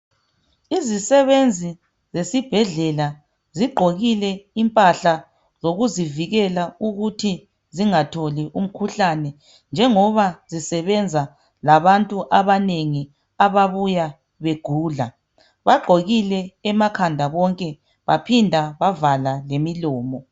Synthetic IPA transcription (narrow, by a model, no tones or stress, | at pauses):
izisɛβend͡zʱi | zesib̥ʱɛɮɛla | ziɡ͡ǃʱoɣilɛimpʼaɬa | zoɣuziviɣɛlauɣutʰi | ziŋatʰoliʔum̩kʰuɬanɛ | nd͡ʒʱɛŋɔβazisɛβɛnd͡zʱa | laβantʼuʔaβaneŋi | aβaβuja | βeɡ̥ʱuːɮa | βaɡ͡ǃʱoɣilɛːmakʰandʱaβɔŋkʼɛ | βapʰindʱaβavalalemilɔːmɔ